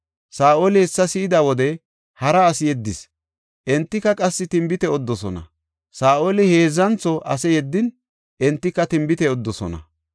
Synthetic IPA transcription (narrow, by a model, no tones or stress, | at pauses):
saːʔolɪɛsːɐsɪɪd̪ɐwɔd̪ɛ | hɐɾɐːsɪjɛd̪ːɪs | ʔɛnt̪ːɪkːɐkʼɐsːɪt̪ɪmbɪt̪ɛɔd̪ːɔsɔnɐ̰ | saːʔoːlɪhe̞ːzːɐnt͡sɔʔɐsɛjɛd̪ːɪn | ʔɛnt̪ːɪkːɐt̪ɪmbɪt̪ɛɔd̪ːɔsɔ̰nɐ̰